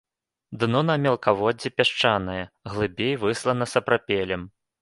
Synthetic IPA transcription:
d̪nɔnɐmʲɛlˠkavɔd͡zʲɛpʲaʂt͡ʂanɨjɛɣlˠɨbʲejvɨslˠɐnɐsɐpɾapʲelʲɛm

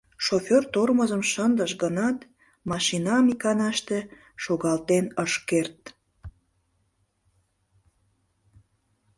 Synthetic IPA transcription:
ʃofʲørt̪orməzəmʃənd̪əʃɡənɑt̪ | mɑʃinɑmikɑnɑʃt̪e | ʃoɣɑlt̪enəʃkert̪

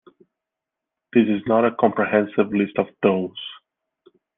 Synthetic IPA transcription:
ð̥ɪsɨznəɾəkʰɔ̃mpɹihɛ̃nsɪvlɪstɔvdoʊz̥

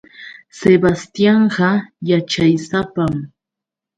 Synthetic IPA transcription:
sebast̪jɑɴɢɑjat͡ʃajsapam

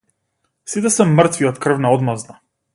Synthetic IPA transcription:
sit̪ɛsɛmr̩t̪viɔt̪kr̩vnaɔd̪mazna

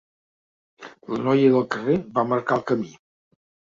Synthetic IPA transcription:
lənɔjəðəlˠkərebaməɾkalˠkəmi

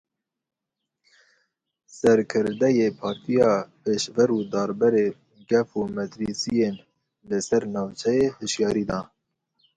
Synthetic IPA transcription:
sɛɾkʰɨɾd̪ɛjeːpʰɑːɾt̪ʰijɑːpʰeːʃvɛɾuːd̪ɑːɾbɛɾeː | ɡɛfumɛt̪ɾisijeːn | lɨsɛɾnɑːvt͡ʃʰɛjehɨʃjɑːɾiːd̪ɑː

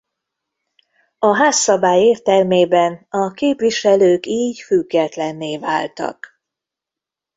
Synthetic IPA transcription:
ɒɦaːsːɒbaːjeːrt̪ɛlmeːbɛnɒkeːpʋiʃɛløːkiːɟfyɡːɛt̪lɛnːeːva̰ːlt̪ɒ̰k

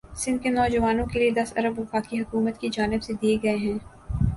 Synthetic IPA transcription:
sɪ̃nd̪̚kenɔːd͡ʒəʋaːnõkelied̪ɐsɐ̰ɾəbʋɐfaːkiɦɐkuːmət̪kid͡ʒaːnɪbsed̪ieɡɐeɦɛ̃ː

